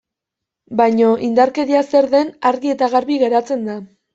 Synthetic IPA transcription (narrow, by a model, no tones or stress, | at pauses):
bajɲo̞ʔind̪aɾkeɾiase̞ɾðe̞naɾɣie̞t̪aɣaɾβiɣe̞ɾat͡se̞nd̪a